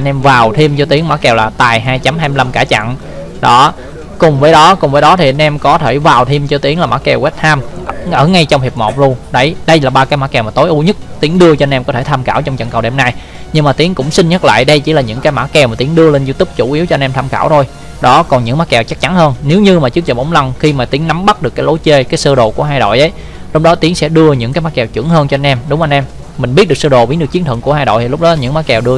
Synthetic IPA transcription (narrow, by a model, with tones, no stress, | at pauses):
ʔə˧nʔɛ˧mvaː˨˩wt̪ʰi˧mt͡ɕɔ˧t̪i˨˦əŋmaː˧˥kɛ˨˩wlaː˨˩t̪aː˨˩jɦaː˧jt͡ɕa˨˦mɦaː˧m˧la˧mkaː˧˩t͡ɕa̰˧˨n | ɗɔ˨˦ | kʊ˨˩ŋ͡mvəː˨˦jɗɔ˨˦kʊ˨˩ŋ͡mvəː˨˦jɗɔ˨˦t̪ʰi˨˩ʔa˧nʔɛ˧mkɔ˨˦t̪ʰe˧˩vaː˨˩wt̪ʰi˧mt͡ɕɔ˧t̪i˨˦əŋlaː˨˩maː˧˦˥k̚ɛ˨˩wɛ˦˥t̚t̪ʰaː˧mʔŋʔəː˧˩ŋa˧jt͡ɕɔ˧wŋ͡mhi˨˩əp̚mo˨˩p̚lu˧ənɗə˧˩jɗə˧jlaː˨˩ɓaː˧kaː˨˦jmaː˧˥kɛ˨˩wma˨˩t̪o˨˦jʔu˨˧˦ɲə˦˥t̚t̪i˨˦əŋɗɨ˧ət͡ɕɔ˧ʔnʔɛ˧mkɔ˨˦t̪ʰe˧˩t̪ʰaː˧mkaː˧˩wt͡ɕɔ˧wŋ͡mt͡ɕə̰˧˩ŋkə˨˩wɗḛ˨˧˩mna˧˩j | ɲɨ˧ŋmaː˨˩t̪i˨˦əŋkʊ̰˧˥ŋ͡msï˧n̟ɲə˦˥t̚la̰ː˧˨jɗə˧jt͡ɕḭ˧˩laː˨˩ɲɨ̰˧˥ŋkaː˨˦jmaː˧˥kɛ˨˩wmaː˨˩t̪i˨˦əŋɗɨ˧əle˧nzu˧t̪ʊ˦˥p̚t͡ɕu˧˩ʔi˨˦əwt͡ɕɔ˧nʔɛ˧mt̪ʰaː˧mxa̰ː˧˩wt̪ʰo˧j | ɗɔ˨˦kɔ˨˩nɲɨ̰˧˥ŋmaː˨˦˥kɛ˨˩wt͡ɕa˦˥k̚t͡ɕa˨˦nhəː˧nne˨˦wɲɨ˧maː˨˩t͡ɕɨ˦˥ək̚t͡ɕə˨˩mʔə˨˦ŋ͡mla˧nxi˧maː˨˩t̪i˨˦əŋna˨˦mɓa˦˥t̚ɗɨ˨˩əkːaː˨˦lo˨˦jt͡ɕe˧kaː˨˦jsəː˧ɗo˨˩ku˧˩əɦaː˧jɗo̰˧˨jʔə˨˦j | lɔ˧wŋ͡m̚ɗɔ˨˦t̪i˨˦əŋsɛ̰˧˥ɗɨ˧əɲɨ̰˧˥ŋkaː˨˦jmaː˦˥kɛ˨˩wt͡ɕɨ̰˧˩˥əŋhəː˧nt͡ɕɔ˧a˧nʔɛ˧mɗʊ˨˦ŋ͡mʔa˧nʔɛ˧mː | ï˨˩ŋ̟ɓi˦˥t̚ɗɨ˨˩əsəː˧˩ɗo˨˩ɓi˨˦nɗɨ˨˩ək̚i˨˦nt̪ʰə˧˨ŋku˧˩əhaː˧jɗo̰˧˨jt̪i˨˩lʊ˦˥k͡p̚ɗɔ˨˦ɲɨ̰˧˥ŋmaː˨˦˥kɛ˨˩wɗɨ˧ə